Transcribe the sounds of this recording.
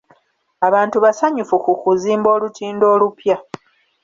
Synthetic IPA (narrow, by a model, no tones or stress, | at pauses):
aβaːntuβasaɲufukukuziːmbo̞ːlutʰiːndo̞ːlupja